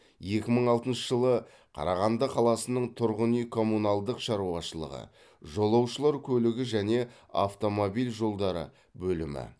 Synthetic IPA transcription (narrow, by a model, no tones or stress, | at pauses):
je̞kʲɪməɴɑlˠt̪ənʃəʒəlˠə | qʰɑ̰ɾɑʁɑnd̪əqʰɑlˠɑsənəɴt̪ʰʊɾʁənijkʰo̞mːunalˠd̪əqʃɑɾuɑʃəlˠə̰ʁə̰ | ʒo̞lˠɑwʃəlˠɑɾkʲʰɵlɪɡʲɪʒæne̞ | a̰ft̪o̞mo̞bijlʒo̞lˠd̪ɑɾə̰ | bɵlɪmɪ̰